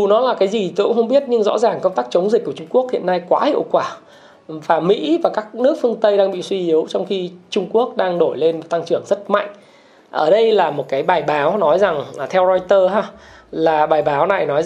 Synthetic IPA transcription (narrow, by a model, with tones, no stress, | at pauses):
u˨˩nɔ˨˦laː˨˩kaː˨˦jzi˨˩t̪o˧kʊ̰˧˥ŋ͡mxə˧wŋ͡mɓi˦˥ət̚ɲɨ˧ŋzɔ̰˧˥zaː˨˩ŋkə˧ŋ͡mt̪aː˦˥k̚t͡ɕə˨˦wŋ͡mzï̟˨˩ku˧˩ət͡ɕʊ˧ŋ͡mku˦˥ək̚hḭ˧˨ənːa˧jkwaː˨˦hḭ˧˨əwkwaː˧˩ | vaː˨˩mḭ˧˥vaː˨˩kaː˦˥k̚nɨ˦˥ək̚fɨ˧əŋt̪ə˧jɗaː˧ŋɓḭ˧˨swi˧ʔi˨˦əwt͡ɕɔ˧wŋ͡mxi˧t͡ɕʊ˧ŋ͡mku˦˥ək̚ɗaː˧ŋɗo˧˩jle˧nmo˨˩t̚t̪a˧ŋt͡ɕɨ˧˩əŋzə˦˥t̚ma̰˧˨jŋ̟ | ʔəː˧˩ɗə˧jlaː˨˩mo˨˩t̚kaː˨˦jɓaː˨˩jɓaː˨˦wnɔ˨˦jza˨˩ŋː˨˩t̪ʰɛ˧wzɔ˧jt̪əː˧ɦaː˧laː˨˩ɓaː˨˩jɓaː˨˦wna˨˩jnɔ˨˦j